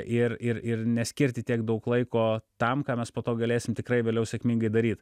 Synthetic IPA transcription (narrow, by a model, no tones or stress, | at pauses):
ʔɪrɪrɪrnʲɛsʲkʲɪɾʲt̪ʲɪt̪ʲiɛkd̪ɐʊklˠɐɪkoːt̪ɐmkɑːmʲɛspoːt̪oːɡɐlʲeːsʲɪmt̪ʲɪkrɐɪʋʲeːlʲɛʊsʲɛkmʲiːŋɡɐɪd̪ɐɾʲiːt̪